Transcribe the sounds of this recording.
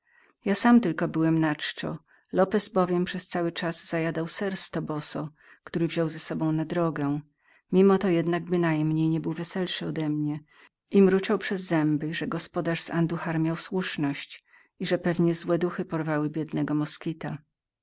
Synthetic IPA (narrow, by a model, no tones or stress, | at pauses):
jasamt̪ɘlkɔbɘwɛmnat͡ʂt͡ʂɔ̰ | lɔpɛzbɔvʲjɛmpʂɛst̪sawɘt͡ʂazːz̥ajad̪awsɛɾst̪ɔbɔsɔ | kt̪uɾɘvʑɔwzɛsɔbɔ̃w̃nad̪ɾɔɡɛ̃ | mʲimɔt̪ɔjɛd̪naɡ̚bɘnajmɲejɲɛbɘwvɛsɛlʂɘɔd̪ɛmɲɛ | ʔimɾut͡ʂawpʂɛzːɛmbɘʐɛɡɔspɔd̪aʂsand̪uxaɾmʲjawswuʂnɔɕt͡ɕ | iʐɛpɛvɲɛzwɛd̪uxɘpɔɾvawɘbʲjɛd̪nɛɡɔmɔskʲit̪a